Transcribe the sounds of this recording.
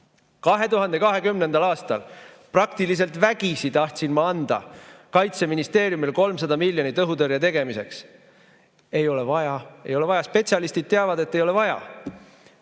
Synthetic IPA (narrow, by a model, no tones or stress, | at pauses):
kɑɦe̞t̪uɦɑnd̪̥e̞kɑɦe̞kymne̞nd̪ɑlɑːst̪ɑl | prɑkt̪ilis̬e̞lt̪væɡ̥isit̪ɑht̪ʲsinmɑɑnd̪̥ɑ̰kɑjt̪se̞minist̪e̞ːɾjumilko̞lms̬ɑd̪ɑmilʲːjo̞nit̪ɤɦut̪ɤɾjɑt̪e̞ɡ̥e̞mise̞ks | e̞jo̞le̞vɑjɑe̞jo̞levɑjɑspe̞t̪sʲjɑlist̪id̪̥̚t̪eɑvɑd̪e̞t̪ːe̞jole̞vɑjɑ̰